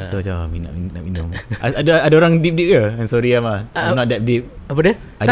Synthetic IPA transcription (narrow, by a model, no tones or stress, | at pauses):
soat͡ʃamina̰ʔminnaʔminũmaadaadaoɾaŋdip̚dip̚kaansoɾiamaamnɔt̚dɛp̚dip̚apadiə | a